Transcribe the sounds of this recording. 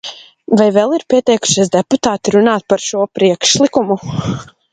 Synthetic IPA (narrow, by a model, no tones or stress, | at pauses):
vajvɛlˠiɾpʲiɛt̪ɛjku̥ʃizd̪ɛput̪aːt̪iɾunaːt̪̚paɾʃuɔpɾiɛkʃlˠikumu